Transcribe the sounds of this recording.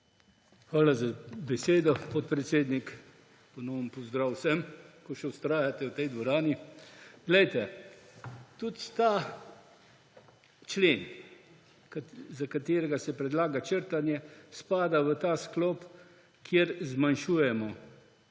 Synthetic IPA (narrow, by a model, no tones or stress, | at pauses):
xʋaːlazabɛseːd̪ɔpɔt̪̚pɾɛt̪seːd̪nik | pɔnɔːənpɔzd̪ɾaːwsɛmkɔʃɛʊst̪ɾaːjat̪ɛwt̪ɛjd̪ʋɔɾaːniɡlɛjt̪ɛ | t̪ut̪t̪a | t͡ʃleːn | kzakat̪eːɾɛɡasɛpɾɛd̪laːɡat͡ʃəɾt̪anjɛspaːd̪aʋət̪aːsklɔːp | kʰjeɾzmanʃuːjɛmɔ